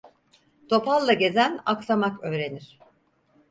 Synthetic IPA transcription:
t̪ʰo̞palˠːaɟe̞zæna̰ksamakø̞ːɾe̞niɾ̥

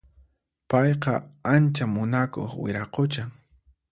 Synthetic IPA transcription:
pɑjqɑ̰ant͡ʃamʊnako̰χwɪ̰ɾɑqot͡ʃaŋ

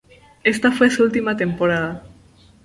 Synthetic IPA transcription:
est̪afwesult̪imat̪e̞mpoɾað̞a

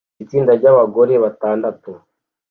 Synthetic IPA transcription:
it͡siːndaɟaβaɡo̞ɾe̞βataːndatu

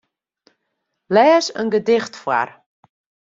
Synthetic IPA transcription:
lɛːsənɡədɪxtfwa̰r

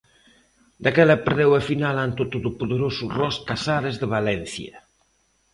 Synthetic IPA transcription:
d̪akɛlapeɾðewafinalant̪ot̪oðopoðeɾosurɔskasaðezðeβalɛn̟θjɐ

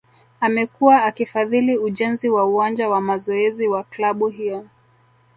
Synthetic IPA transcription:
amɛkuwaːkifaðiliuʄɛnziwauwand͡ʒawamazɔɛziwaklaɓuɦijɔ

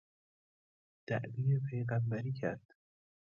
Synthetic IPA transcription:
d̪̥æʔbiːepʰejɣæmbæɾiːcʰæɾd̪̥

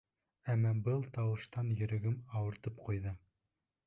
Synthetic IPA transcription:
æmːɑbɤlˠt̪ɑwɤ̆ʃt̪ɑnjɵ̆ɾɘ̆ɡɘmɑwɤ̆ɾt̪ɤpqujðɤ

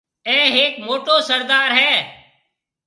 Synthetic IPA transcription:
ɛ̃ːɦeːkmoːʈoːsəɾd̪aːɾɦɛː

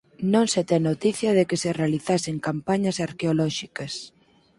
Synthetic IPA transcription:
nõŋset̪ɛnot̪iθjɐðekeserealiθaseŋkampaɲɐsaɾkeolɔʃikɐs

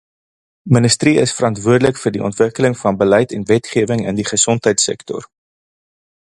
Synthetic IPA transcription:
mənəstriəsfəɾɑntvuərdələkfəːrdiʔɔ̰ntvəkələŋfɐnbəlɛjtɛnvɛtχiəvəŋəndiχəsɔntɦəjtsɛ̰ktɔ̰r

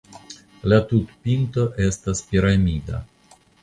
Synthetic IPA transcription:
latutpinto̞ʔe̞staspiɾamida̰

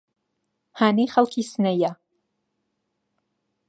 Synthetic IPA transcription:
haːnejχɐlˠkʰisɨnɐja

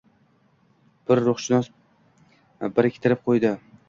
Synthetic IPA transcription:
b̥ɪɾːʊχʃɪnɒs | bɪɾɪkʲʰt̪ʰɪɾɪp̚qʰojd̪ɪ

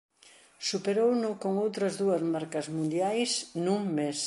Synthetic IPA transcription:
supeɾownʊkoŋowt̪ɾɐzðuɐzmaɾkɐzmũnd̪jajsnuŋmes

